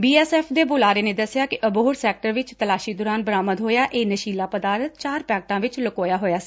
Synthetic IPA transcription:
biːɛːsɛːpʰd̪eːboːlaːɾeːneːd̪əsɪjaːkɪʔəboːɾsɛːk̚ʈəɾʋɪt͡ʃt̪əlaːʃiːd̪ʊːɾaːnbəɾaːməd̪ɦoːjaːʔeːnəʃiːlaːpəd̪aːɾət̪̚t͡ʃaːɾpɛːk̚ʈãːʋɪt͡ʃləkoːjaːɦoːjaːsi̥ː

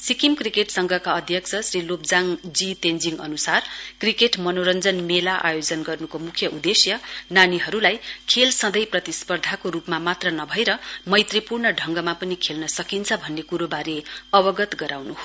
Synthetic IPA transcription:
sikimkrikeʈsʌŋɡʱʌkaʌd̪ʱjʌk̚st͡sʰʌsrilopd͡zaŋd͡zitend͡ziŋʌ̰nusarkrikeʈmʌnoɾʌnd͡zʌnmelaʔa̰jod͡zʌnɡʌrnukomukʰjʌʔud̪esjʌnaniɦʌɾulajkʰelsʌd̪ʌjprʌt̪ispʌrd̪ʱakoɾupmamat̪rʌnʌbʱʌjɾʌmʌjt̪ripurnʌɖʱʌŋɡʌmapʌnikʰelnʌsʌkint͡sʰʌbʱʌnːekuɾobaɾeʌbʌɡʌt̪ɡʌɾawnuɦo

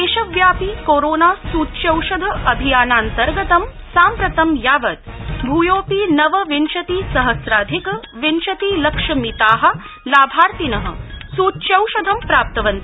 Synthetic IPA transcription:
eːʃɐʋjaːpikoːɾoːnaːsuːt̪t͡ʃɐwʃɐd̪ʱɐʔɐbʱijaːnaːnt̪ɐɾɡɐt̪ɐmsaːmpɾɐt̪ɐmjaːʋɐt̪̚bʱuːjoːpiːnɐʋɐʋinʃɐt̪iːsɐɦɐsɾaːd̪ʱikɐʋinʃɐt̪iːlɐkʂɐmit̪aːɦɐ̆ | laːbʱaːɾt̪inɐɦɐ̰̆suːtʃɐwʃɐd̪ʱɐmpɾaːp̚t̪ɐʋɐnt̪i

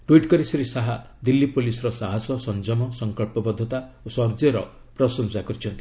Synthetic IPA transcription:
ʈwiʈkɔɾisiɾisaɦa | d̪ilːipolisɔɾɔsaɦasɔsɔnd͡ʒɔmɔsɔŋkɔɭpɔbɔd̪ʱːɔt̪aosɔɾd͡ʒɔɾɔ | pɾɔsɔnsakɔɾit͡ʃʰɔnt̪i̥

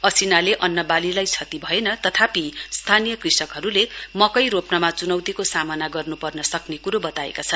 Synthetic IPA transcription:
ʌsinaleʔʌnːʌbalilajt͡sʰʌt̪ibʱʌenʌt̪ʌt̪ʰapist̪ʰanijʌkrisʌkɦʌɾulemʌkʌjɾopnʌmat͡sunʌwt̪ikosamʌnaɡʌrnupʌrnʌsʌknekuɾobʌt̪aḛkat͡sʰʌn

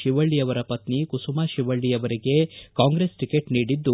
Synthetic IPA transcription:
ʃiʋɐɭːijɐʋɐɾɐpɐt̪nikusumaːʃiʋɐɭːijɐʋɐɾiɡe̞kaːŋɡɾesʈikeʈniːɽid̪ːu

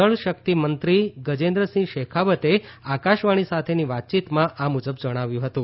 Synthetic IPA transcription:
əɭʃəkt̪imənt̪ɾiɡəd͡ʒẽnd̪ɾəsĩɡʃekʰaʋət̪eakaʃʋaɽ̃isat̪ʰeniʋat̪̚t͡ʃit̪mãʔamud͡ʒəbd͡ʒəɽ̃aʋjũɦət̪ũ

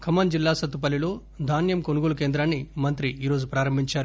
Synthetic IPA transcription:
kʰɐmɐnd͡ʒilːaːsɐt̪ːup̬ɐlilo̞ː | d̪ʱaːnjɐmkonuɡoːlukeːnd̪ɾaːnːimɐnt̪ɾiiːɾo̞ːd͡ʒupɾaːɾɐmbʱiɲt͡ʃaːɾu

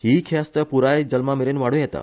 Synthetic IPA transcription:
hikʰjast̪əpuɾajd͡ʒəlmameɾenʋaɽũjɛt̪a̰

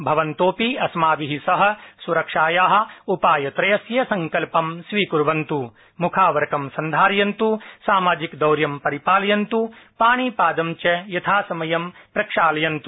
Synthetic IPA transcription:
bʱɐʋɐnt̪oːpiɐsmaːʋiɦisɐɦɐ̆suɾɐkʂaːjaːɦɐ̆upaːjɐt̪ɾɐjɐsjɐsɐŋkɐlpɐmsʋiːkuɾʋɐnt̪u | mukʰaːʋɐɾɐkɐmsɐnd̪ʱaːɾjɐnt̪usaːmaːd͡ʒikd̪ɐwɾjɐmpɐɾipaːljɐnt̪upaːɳiːpaːd̪ɐmt͡ʃɐjɐt̪ʰaːsɐmɐjɐmpɾɐkʂaːlɐjɐnt̪u

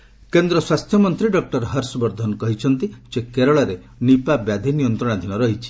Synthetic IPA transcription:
kend̪ɾɔswast̪ʰjɔmɔnt̪ɾiɖɔk̚ʈɔɾɦɐɾsɔbɔɾd̪ʱɔnɔkɔɦit͡ʃʰɔnt̪isekeɾɔɭaɾe | nipabjad̪ʱinijɔnt̪ɾɔɽ̃ad̪ʱinɔɾɔɦit͡ʃʰi̥

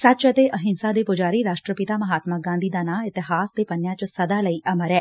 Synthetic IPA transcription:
sat̪t͡ʃət̪eɐɦɪnsad̪epʊd͡ʒaːɾiɾaːʃʈɾəpɪt̪amɐɦaːt̪maɡãːnd̪ʱiːd̪aːnaɪt̪ɪɦaːsd̪epɐnjat͡ʃsɐd̪alɐiʔɐmɐɾɛː

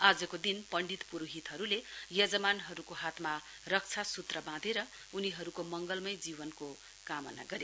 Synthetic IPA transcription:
ad͡zʌkod̪inpʌɳɖit̪puɾuɦit̪ɦʌɾulejʌd͡zʌmanɦʌɾukoɦat̪ma | rʌk̚t͡sʰasut̪rʌbãd̪ʱeɾʌ | uniɦʌɾukomʌŋɡʌlmʌjd͡zibʌnko | kamʌ̰na̰ɡʌɾje

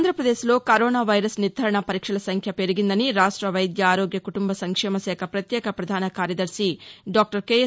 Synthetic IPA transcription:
nd̪ʱɾɐpɾɐd̪eːʃlo̞ːkɐɾoːnaːʋɐjɾɐsniɾd̪ʱɐɾɐɳɐpɐɾiːkʂɐɭɐsɐŋkʰjɐpeɾiɡind̪ɐniɾaːʂʈɾɐʋɐjd̪jɐaːɾo̞ːɡjɐkuʈumbɐsɐŋkʂɛːmɐsɛːkʰɐpɾɐt̪jɛːkɐpɾɐd̪ʱaːnɐkaːɾjɐd̪ɐɾsiɖaːk̚ʈɐɾkeː

